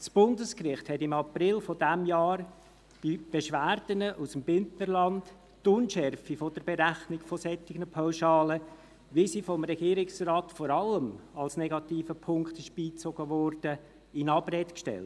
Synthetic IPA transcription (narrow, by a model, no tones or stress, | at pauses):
sb̥ʊndəskrɪχthɛtɪmɑprɪlfɔdæmjɑːɾ | b̥ib̥eʃʋæːɾd̥ənəʔusəmbʏntnəɾlɑnd | tʊnʃɛɾfifɔdəɾbeɾæχnɪɡfɔsɛtːɪɡnəpʰaʊʃɑːlə | ʋisifɔmɾɛɡ̥iːɾɪksrɑːtfɔɾɑləmɑlsnɛɡɑtiːfəpʰʊŋkχtɪʃb̥iːt͡soɡ̥əʋɔɾd̥ə | ɪnɑbɾɛtkʃtɛ̰lt